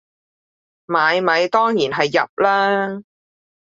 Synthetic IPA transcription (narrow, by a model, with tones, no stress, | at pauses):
maː˨˧jmɐ˨˧jt̪ɔː˥ŋjiː˨˩nɦɐ˨jːɐ̰˨p̚laː˥